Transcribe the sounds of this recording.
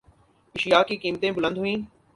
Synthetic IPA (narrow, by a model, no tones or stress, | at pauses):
ɪʃjaːkːiːkiːmt̪ẽːbʊlə̃nd̪ɦʊĩː